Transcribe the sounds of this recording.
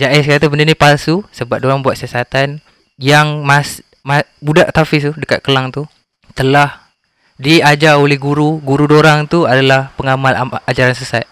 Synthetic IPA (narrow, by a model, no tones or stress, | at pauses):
d͡ʒaʔɛskəat̪abənənĩpalsusəbap̚doɾaŋbuwat̪̚siasat̪an | jaŋmas | mabudaʔt̪afɪst̪udəka̰t̪̚kəlaŋt̪u | t̪əlah | diad͡ʒaolɛhɡuɾuɡuɾudoɾaŋt̪uadalahpəŋamalaad͡ʒaɾansəsat̪̚